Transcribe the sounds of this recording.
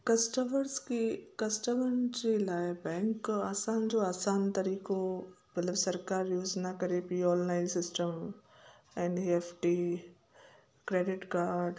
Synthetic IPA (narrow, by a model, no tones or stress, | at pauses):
kɐsʈəməɾskikɐsʈəmənd͡ʑelaːebɛ̃ːŋkaːsãːnd͡ʒoːaːsaːnt̪ɐɾiːko | bɐt̪ləbsɐɾkaːɾjuːd͡ʒnɐkɐɾepiːɔːllãɪ̃nsɪsʈəm | ɛ̃ɳɖiefʈiː | kɾeːɖɪʈkaːɾɖ